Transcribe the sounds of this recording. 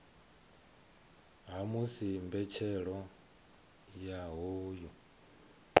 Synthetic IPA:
ɦamusimbɛt͡ʃʰɛɺɔ | jaɦoːjɔ

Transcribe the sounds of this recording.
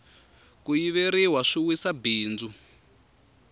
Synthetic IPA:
kujiβeɾiɦwaʂiwisabiːnd͡zu

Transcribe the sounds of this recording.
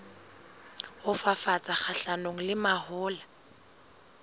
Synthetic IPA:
hʊfafat͡sʼaχaɬanoŋ̩lɪmahʊːla

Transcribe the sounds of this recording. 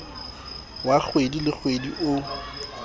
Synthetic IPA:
wak͡xʰwedilɪk͡xʰwediʔʊ

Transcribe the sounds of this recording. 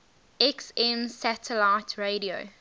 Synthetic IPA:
ɛksɛ̃msætʰəlaɪtʰɹeɾio̰

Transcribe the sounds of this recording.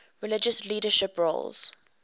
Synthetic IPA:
ɹɪlɪd͡ʒəsliːdəʃɪpɹo̰lz̥

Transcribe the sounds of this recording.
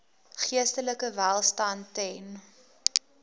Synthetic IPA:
χiəstələkəvælˠstɐntɛn

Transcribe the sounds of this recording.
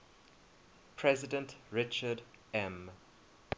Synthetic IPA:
pʰɹ̥ɛzɪdə̃ntɹɪt͡ʃədɛ̃m

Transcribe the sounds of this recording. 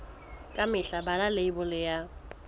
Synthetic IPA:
kʼamɪɬabalaleibʊlɪja

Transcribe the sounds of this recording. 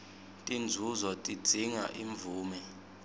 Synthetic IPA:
tʼind͡zʱuzɔtʼi̥d͡z̥ʱiŋa̰ʔiɱvuːmɛ

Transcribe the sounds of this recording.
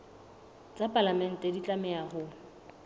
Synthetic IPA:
t͡sʼapʼalamɛn̩tʼedit͡ɬʼamɪaχʊ

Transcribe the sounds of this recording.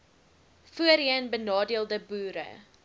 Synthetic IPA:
fuəɾiənbənɑːdiəlˠdəbuːɾə̰

